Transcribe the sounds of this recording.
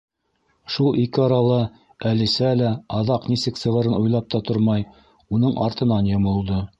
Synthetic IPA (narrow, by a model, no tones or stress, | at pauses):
ʃulˠʔikɘɑɾɑlˠɤ | ælisælæɑðɑqnisɘksɤ̆ʁɤ̆ɾɤnujlˠɑp̚t̪ɑt̪oɾmɑj | unɤɴʔɑ̰ɾt̪ɤ̆nɑnjŏmɤ̆lˠd̪ɤ